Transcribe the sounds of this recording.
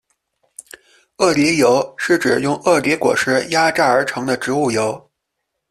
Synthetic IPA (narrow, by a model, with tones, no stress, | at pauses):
ɤ˥˩li˧˥jo˧˥ʊʂɻ̩˥˩ʈ͡ʂɻ̩˨˩jʊ˥˧ŋɤ˥˩li˧˥kwɔ̰˨˩ʂɻ̩˧˥ja˥ʈ͡ʂa˥˩ə˞˧˥ʈ͡ʂʰɤ˧˥ŋd̪ə˧ʈ͡ʂɻ̩˧˥u˥˩jo˧˥ʊ